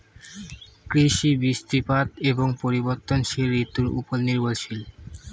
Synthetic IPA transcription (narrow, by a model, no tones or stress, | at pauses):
kɾiʃibist̪ipat̪eboŋpoɾiboɾt̪onʃeɾit̪uɾṵpolniɾbolʃil